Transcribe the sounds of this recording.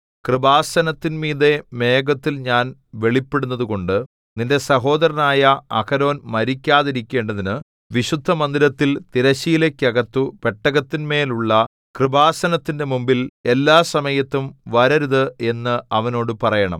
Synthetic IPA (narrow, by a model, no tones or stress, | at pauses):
krɨbaːsɐnɐt̪ːinmiːðe̞me̞ːɡɐt̪ːilɲaːnʋe̞ɭipːeɽunːɐðuɣo̞ɳɖɨ | ninde̞sɐɦo̞ːd̪ɐɾɐnaːjɐɐkɐɾo̞ːnmɐɾikʲːaːðiɾikʲːe̞ːɳɖɐðinɨ | ʋiɕud̪ʱːɐmɐnd̪iɾɐt̪ːilt̪iɾɐɕijile̞kʲːɐɣɐt̪ːupe̞ʈːɐɣɐt̪ːinme̞ːluɭːɐ | krɨbaːsɐnɐt̪ːinde̞mumbile̞lːaːsɐmɐjɐt̪ːumʋɐɾɐɾuðɨe̞nːɨɐʋɐno̞ːɽɨpɐrɐjɐɳɐ̰m